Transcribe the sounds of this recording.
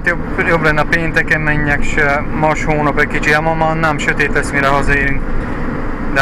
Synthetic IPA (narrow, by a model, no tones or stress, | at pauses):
t̪jobjo̞blɛnːɛɒpeːnt̪ɛkɛmmɛɲːɛkʃɛ | mɒʃhoːnɒpɛcʲkit͡ʃiɛmɒmɒnnɛmʃøt̪eːt̪lɛsmiɾɛɦɒzɒeːɾyŋk | d̪ɛ